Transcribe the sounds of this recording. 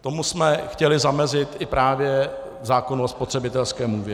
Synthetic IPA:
t̪o̞musmɛxcɛlɪzamɛzɪt̪ʔɪpɾaːvjɛ | zaːko̞nuaspo̞t̪r̝̥ɛbɪt̪ɛlskɛːmuːvjɛ

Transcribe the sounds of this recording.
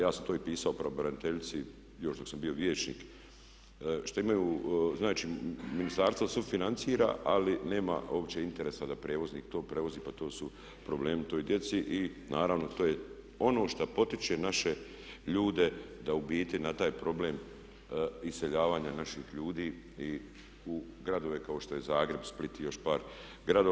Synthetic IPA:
jaːsamt̪oːipiːsaopɾaobɾanit̪e̞ʎt̪si | jo̞ʃd̪o̞ksambio̞ʋjeːt͡ʃnḭːk | ʃt̪oimajuːznaːt͡ʃiminist̪aɾsʋosufinant̪siːɾa̰ʔaline̞ːma̰o̞pt͡ɕeint̪e̞ɾesad̪apɾʲje̞ːʋo̞zniːkt̪o̞ːpɾe̞ʋo̞ziːpat̪o̞ːsu | pɾoble̞ːmit̪o̞ːjd̪je̞t̪siʔinaːɾaʋno̞t̪oːje | o̞no̞ːʃt̪apo̞t̪it͡ʃenaʃe̞ | ʎuːd̪e̞d̪aubiːt̪enat̪aːjpɾo̞bleːm | ise̞ʎaːʋaːɲanaʃixʎuːd̪iː | i | uɡɾad̪o̞ʋekaoʃt̪o̞jezaːɡɾe̞bsplit̪ijo̞ʃpaːɾ | ɡɾad̪o

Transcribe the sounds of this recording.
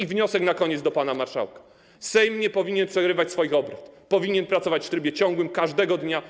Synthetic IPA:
ivɲɔsɛknakɔɲɛd̪zd̪ɔpanamaɾʂa̰wkḁ | sɛjmɲɛpɔvʲiɲɛnpʂɛɾɘvat͡ɕsfɔjixɔbɾa̰t̪pɔvʲiɲɛnpɾat̪sɔvat͡ɕft̪ɾɘbʲjɛt͡ɕɔ̃ŋɡwɘmkaʐd̪ɛɡɔd̪ɲa

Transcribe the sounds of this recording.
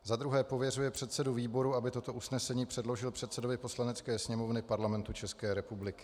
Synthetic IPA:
zad̪ɾuɦɛːpo̞vjɛrujɛpr̥ɛt̪sɛduviːbo̞ɾuabɪt̪o̞t̪o̞ʔusnɛsɛɲiːpr̝̥ɛdlo̞ʒɪlpr̥ɛt̪sɛdo̞vɪpo̞slanɛt͡skɛːsɲɛmo̞vnɪpaɾlamɛnt̪ut͡ʃɛskɛːɾɛpublɪkɪ̥

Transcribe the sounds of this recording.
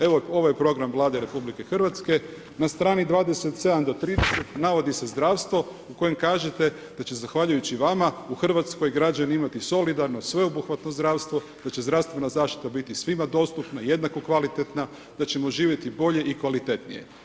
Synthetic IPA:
e̞ʋooʋojepɾo̞ɡɾamʋlˠaːd̪eɾe̞publike̞xr̩ʋat̪ske̞ | nast̪ɾaːnid̪ʋaːd̪e̞se̞t̪se̞d̪amd̪o̞t̪ɾiːd̪eset̪naʋo̞d̪ise̞zd̪ɾaːʋst̪ʋo̞ | uko̞je̞mkaːʒet̪e̞ | d̪̥at͡ɕe̞zaxʋaʎujut͡ɕiʋamauxr̩ʋat̪sko̞jɡɾad͡ʑaniimat̪iso̞lid̪aɾno̞sʋe̞obuxʋat̪no̞zd̪ɾaːʋst̪ʋo̞ | d̪̥at͡ɕezd̪ɾaʋst̪ʋe̞nazaːʃt̪i̥t̪abit̪isʋimad̪o̞ːst̪upnaje̞d̪nako̞kʋalit̪e̞t̪na | d̪at͡ɕe̞mo̞ʒiːʋʲje̞t̪ibo̞ʎe̞ʔikʋalit̪e̞t̪nḭje̞̰

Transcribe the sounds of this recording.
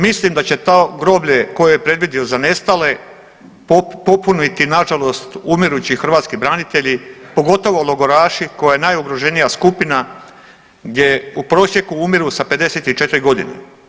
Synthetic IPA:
mislimd̪at͡ɕe̞t̪oɡɾo̞ːbʎʲeko̞jojepɾe̞d̪ʋid̪io̞zane̞st̪ale̞ | popopunit̪inaʒalo̞st̪umiɾut͡ɕixr̩ʋaːt̪skibɾanit̪e̞ʎipo̞ɡo̞t̪o̞ʋolo̞ɡo̞ɾaːʃiko̞jaje̞najuɡɾo̞ʒe̞nijaskupina | ɡd̪je̞upɾo̞ːsje̞kuumiɾusape̞d̪e̞set̪it͡ʃe̞t̪iɾiɡo̞d̪ḭnḛ

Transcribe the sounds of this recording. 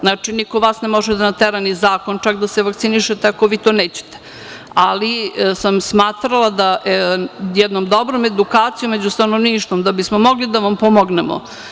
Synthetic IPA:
znaːt͡ʂinikoʋaːsnemo̞ʒed̪anat̪eɾanizaːkont͡ʃakd̪aseʋakt̪siniʃet̪eako̞ʋiːt̪oːneːt͡ɕe̥t̪e̥ | alisamsmaːt̪ɾalˠad̪aejɛd̪nomd̪obɾome̞d̪ukaːt̪sijomed͡ʑust̪anoʋniːʃt̪ʋomd̪abismomo̞ɡlid̪aʋampomoɡnemo̰

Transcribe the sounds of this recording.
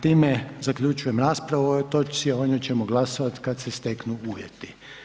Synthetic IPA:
t̪iːmezakʎut͡ʃujemɾaːspɾaʋoet̪ot͡ʃsioɲot͡ɕemoɡlasoʋat̪kad̪sest̪eknuʔuːʋjet̪i̥

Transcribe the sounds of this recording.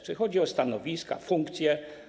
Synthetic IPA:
pʂɛxɔd͡ʑiɔst̪anɔvʲiska̰fuŋkt̪sʲjɛ

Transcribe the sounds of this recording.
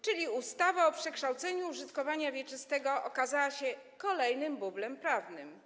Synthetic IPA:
t͡ʂɘlʲiust̪avaɔpʂɛkʂt̪awt̪sɛɲuːʐɘt̪kɔvaɲavʲjɛt͡ʂɘst̪ɛɡɔʔɔkazawaɕɛ | kɔlɛjnɘmbublɛmpɾavnɘm

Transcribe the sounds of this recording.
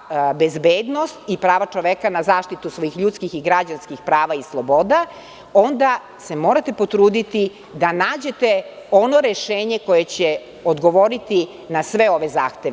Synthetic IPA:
be̞zbeːd̪no̞st̪ipɾaːʋat͡ʃoʋekanazaːʃt̪it̪usʋo̞jixʎuːt̪skixiɡɾad͡ʑanskixpɾaːʋaislˠobo̞d̪a | o̞nd̪a | se̞mo̞ɾat̪e̞po̞t̪ɾuːd̪it̪i | d̪anaːd͡ʑe̞t̪eo̞no̞ɾeʃeːɲeko̞je̞t͡ɕe | od̪ɡo̞ʋo̞ɾit̪i | nasʋeo̞ʋe̞za̰ːxt̪e̞ʋe

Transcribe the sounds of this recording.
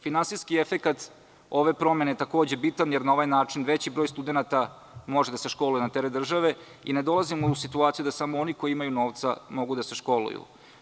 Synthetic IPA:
finansiskiefekat̪ | o̞ʋe̞pɾo̞me̞net̪ako̞ːd͡ʑe̞bit̪anjeɾnao̞ʋajnaːt͡ʂinʋet͡ɕibɾojst̪ud̪e̞nat̪a | mo̞ʒed̪ase̞ʃko̞lujenat̪eɾed̪r̩ʒaʋe̞ | ine̞d̪o̞lˠazimousit̪uat̪sijud̪asamo̞oniko̞jiimajuno̞ːʋt̪sa̰mo̞ɡud̪aseʃko̞lṵjṵ

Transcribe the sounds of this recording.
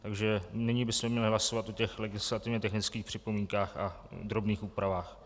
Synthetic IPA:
t̪aɡʒɛnɪɲɪbɪsmɛmɲɛlɪɦlaso̞vat̪ʔo̞cɛxlɛɡɪslat̪ɪvɲɛt̪ɛxnɪt͡skiːxpr̝̥ɪpo̞miːŋkaːxa̰ | d̪ɾo̞bniːxuːpɾavaːx

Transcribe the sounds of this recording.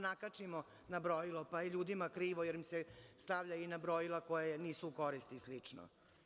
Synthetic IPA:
nakat͡ʃimo | nabɾojilˠopajeʎuːd̪imakɾiːʋojeɾimsest̪aʋʎainabɾoilako̞jeniːsuːko̞ɾist̪islit͡ʂno̰

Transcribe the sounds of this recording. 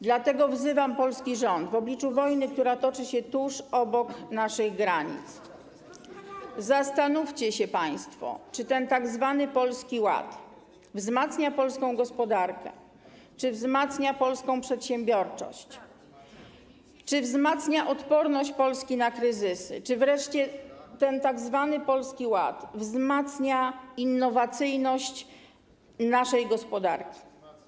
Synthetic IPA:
d̪lat̪ɛɡɔvzɘvampɔlskʲiʐɔnd̪vɔblʲit͡ʂuvɔjnɘk̚t̪uɾat̪ɔt͡ʂɘɕɛt̪uʂɔbɔknaʂɘɣɡɾaɲḭt̪s | zast̪anuft͡ɕɛɕɛpaj̃st̪fɔ̰t͡ʂɘt̪ɛnt̪aɡzvanɘpɔlskʲiwa̰t̪ | vzmat̪sɲapɔlskɔ̃w̃ɡɔspɔd̪aɾkɛ̰ | t͡ʂɘvzmat̪sɲapɔlskɔ̃w̃pʂɛt̪ɕɛmbʲjɔɾt͡ʂɔ̰ɕt͡ɕ | t͡ʂɘvzmat̪sɲaʔɔt̪pɔɾnɔɕt͡ɕpɔlskʲinakɾɘzɘsɘ̰t͡ʂɘvɾɛʂt͡ɕɛt̪ɛnt̪aɡzvanɘpɔlskʲiwa̰t̪vzmat̪sɲainːɔvat̪sɘjnɔɕt͡ɕ | naʂɛjɡɔspɔd̪a̰ɾkʲi̥

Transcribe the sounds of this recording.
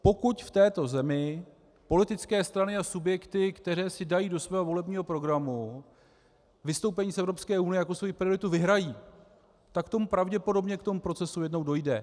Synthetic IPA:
po̞kucft̪ɛːt̪o̞zɛmɪ | po̞lɪt̪ɪt͡skɛːst̪ɾanɪasubjɛkt̪ɪkt̪ɛɾɛːsɪdajiːdo̞svɛːɦo̞vo̞lɛbɲiːɦo̞pɾo̞ɡɾamu | vɪst̪o̞wpɛɲiːsɛvɾopskɛːunɪjɛjakosvo̞jipɾɪo̞ɾɪt̪uvɪɦɾajiː | t̪akt̪o̞mupɾavɟɛpo̞do̞bɲɛkt̪o̞mupɾo̞t͡sɛsujɛdno̞wdo̞jdɛ

